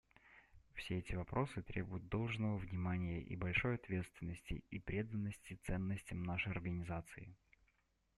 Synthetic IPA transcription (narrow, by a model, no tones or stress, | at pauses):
fsʲeɛtʲɪvɐpɾo̞sɨt̪ɾʲʔḛbʊjʊd̪̚d̪o̞lˠʐnəvəvnʲɪmanʲɪjəʔḭbɐlʲʂo̞jɐt̪vʲe̞t̪st̪vʲɪnːəsʲtʲɪ̰ipɾʲe̞d̪ənːəsʲtʲɪt̪sɛnːəsʲtʲɪmnaʂəjɐrɡənʲɪzat̪sɨɪ